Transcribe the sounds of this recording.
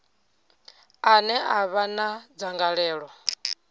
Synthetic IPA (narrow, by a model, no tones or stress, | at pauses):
anɛʔaβanad͡zaŋɡaɺɛːɺɔ